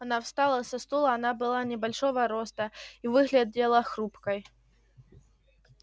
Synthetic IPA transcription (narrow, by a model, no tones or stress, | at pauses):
anawst̪alˠɐsɐst̪ɔlˠɐːnabɨlˠanʲɛbalʲʂɔvɐɾɔst̪ɐivɨɣlʲad͡zʲɛlˠɐxɾupkɐj